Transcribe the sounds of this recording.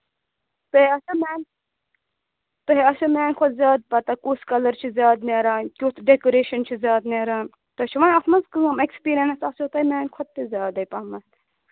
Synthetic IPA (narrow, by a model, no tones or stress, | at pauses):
t̪ɐɦeɐsɐmeːn | t̪ɐɦeɐsomeːnkʰɔt̪zʲjaːd̪̚pɐt̪ɐkuːskɐlɐɾt͡ʃʰizʲjaːd̪neːɾaːnkʲot̪ɖekoɾeːʃɐnt͡ʃʰizʲjaːd̪neɾaːn | t̪ɐt͡ʃʰiʋɐnɐt̪mɐzkɨŋɐmekspiːɾɐnsɐsot̪ɐmeːnʲkʰɔt̪̚t̪izʲjaːd̪ɐjpɐmɐs